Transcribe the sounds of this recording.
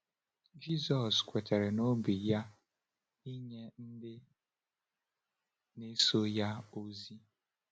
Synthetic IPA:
d͡ʒi˦zɔ˨skʷe˨te˨ɾe˨no˦bi˨ja˦ | i˦ɲe˦n̩˦dɪ˦ | ne˦so˦ja˦o˦zi˦

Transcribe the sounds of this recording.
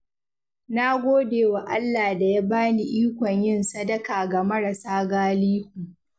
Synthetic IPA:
na˦ɡʷoː˦deː˨wa˨ʔa˦lːaː˨da˨ja˦baː˦ni˨ʔiː˦kʷɔ˨ɲjɪ˦nsɐ˦dɐ˦kaː˨ɡa˨mɐ˦ɽɐ˨saː˦ɡaː˦liː˦u˨ʔ

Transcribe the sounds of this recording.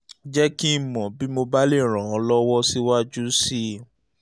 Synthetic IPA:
d͡ʒɛ˦ki˦˨mɔ̃˨bi˦mo˧ba˦le˦˨ɾ̃ã˨ɔ̃˨˧lɔ˦wɔ˦si˦wa˦d͡ʒu˦si˦

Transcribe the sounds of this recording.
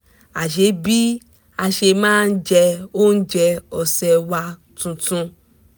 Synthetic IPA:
a˨ʃe˨˦bi˦ | a˧ʃe˧mãː˦n̩˦d͡ʒɛ˧o˦n̩˦d͡ʒɛ˧ɔ˨sɛ˧wa˧ | tũ˧tũ˧

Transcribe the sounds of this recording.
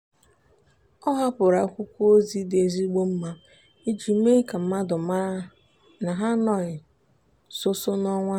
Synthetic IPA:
ɔ˦ɦa˦pʊ˨ɾa˨˦kʷu˦kʷo˦zi˦de˨zi˦ɡ͡bo˦m̩˦ma˦ | i˦d͡ʒi˨˦me˦ka˨m̩˦ma˦dʊ˨m˦ | na˨ɦa˦nɔ˨ɪ˨ | so˦so˦nɔ˦ŋʷa˦

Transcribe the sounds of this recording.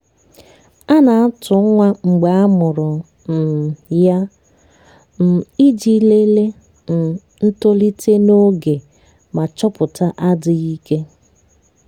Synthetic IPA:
a˦na˨a˦tʊ˨˦ŋʷa˦ŋ͡m̩˨ɡ͡ba˨a˦mʊ˨ɾʊ˨ | n̩˨ja˦ | m̩˨i˦d͡ʒi˦le˦le˦ | n̩˨ | n̩˦to˦li˦tʰe˦no˦ɡe˨ | ma˨t͡ʃɔ˦pʊ˨ta˦ʔa˦dɪ˨i˦ke˦

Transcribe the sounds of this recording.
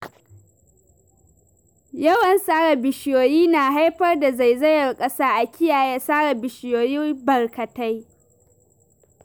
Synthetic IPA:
jɐ˦wɐ˨nsaː˦ɽa˨bɪ˨ʃɪ˨joː˨jiː˦naː˨ɦa˦jɸɐ˦rda˨za˨jzɐ˦jɐ˨rkʼɐ˦saː˦ʔa˨kʲɪ˦jaː˨ja˦saː˦ɽa˨bɪ˨ʃɪ˨joː˨ji˦bɐ˨rkɐ˨ta˦j

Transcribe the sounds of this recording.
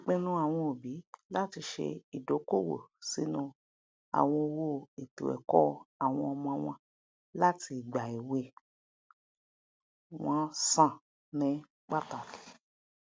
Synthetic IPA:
k͡pẽ˦nũ˦a˨w̃ɔ̃˧o˨bi˨˦la˦ti˧ʃḛ˧i˨do˨˦ko˦wo̰˨si˨˦nũ˧ | a̰˨w̃ɔ̃˧o˧wo˧˨e˨tṵ˨ɛ̰˨kɔ˦a˨w̃ɔ̃˧ɔ˧mɔ̃˧a˧w̃ɔ̃˧ | la˦ti˧˨ɡ͡ba˨i˨we˧ | w̃ɔ̃˦sã˦˨ | nĩ˨˦ | ɡ͡ba˦ta˨ki̥˨

